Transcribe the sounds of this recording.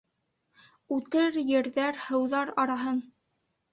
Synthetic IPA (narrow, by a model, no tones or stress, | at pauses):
ʉt̪ɘɾjɘ̆ɾðæɾhɤ̆wðɑɾɑɾɑɦɤn